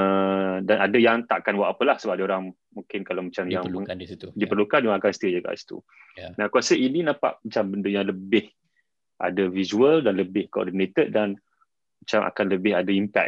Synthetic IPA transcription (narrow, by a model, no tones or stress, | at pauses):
ədanadajaŋt̪a̰ʔkanwaʔapəlahsəbaadaoɾaŋ | muŋkɪnkalamat͡ʃamjaŋdipərlukanjaakansət̪iəd͡ʒəɡa̰ʔisi̥t̪ṵ | nahkuasəininãmpa̰ʔmat͡ʃambəndəjaŋləbɪh | ʔa̰dəvizuəldanləbɪhkɔ̰dinet̪ət̪̚dan | mat͡ʃamʔa̰kanləbɪɦadaimpɛ̰k